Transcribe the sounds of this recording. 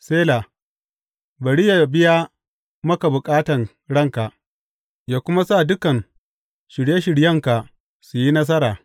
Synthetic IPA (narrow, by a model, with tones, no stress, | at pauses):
seː˦la˨ | bɐ˨ɽi˦ja˨bɪ˦ja˦ | mɐ˦ka˨bʊ˨kʼaː˦tɐ˨n | ɽɐ˦˨ŋka˨ʔ | jaː˦kʷʊ˦ma˦sa˦˨dʊ˦kɐ˨n | ʃɪ˨ɽje˦ʃɪ˨ɽjɐ˦ŋka˨ | su˨ji˦nɐ˦s̬ɐ˦ɾaː˨